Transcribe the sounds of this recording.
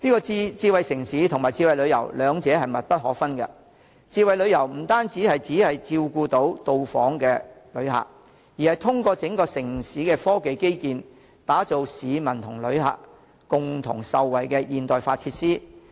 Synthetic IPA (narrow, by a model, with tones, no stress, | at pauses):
niː˥kɔː˧˥t͡siː˧wɐ˨jsɪ˨˩ŋsiː˨˥t̪ʰʊ˨ŋmaː˨˩jt͡siː˧wɐ˨jlɵ˨˧ɥjɐ̰˨˩wlœː˨˧ŋt͡sɛː˨˥hɐ˨jmɐ˨t̚pɐ˥t̚hɔː˨˥fɐ˥nkɐ̰˧ | t͡siː˧wɐ˨jlɵ˨˧ɥjɐ˨˩wm̩˨˩t̪aː˥nt͡siː˨˥hɐ˨jt͡siː˨˥hɐ˨jt͡siː˧wkuː˧t̪o˨˥wt̪o˨wfɔ̰ː˨˥ŋkɛː˧lɵ˨˧ɥha̰ː˨˩k̚ | jiː˨˩hɐ˨jt̪ʰʊ˥ŋkɔː˧t͡sɪ˨˥ŋkɔː˧sɪ˨˩ŋsiː˨˥kɛ˧fɔː˥ke˨jke˥jkiː˨n | t̪aː˨˥t͡so˨wsiː˨˧mɐ˨˩nt̪ʰʊ˨˩ŋlɵ˨˧ɥha̰ː˨k | kʊ˨ŋt̪ʰʊ̰˨˩ŋsɐ˨wːɐ˨jkɛ˧jiː˨nt̪ɔː˨jfaː˧t̚t͡sʰiː˧t̚siː˥